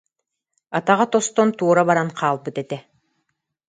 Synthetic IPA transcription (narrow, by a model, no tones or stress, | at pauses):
at̪aʁɑt̪ost̪ɔnt̪uːɾaβaɾaɴqʰɑːlˠbɯt̪ɛt̪ɛ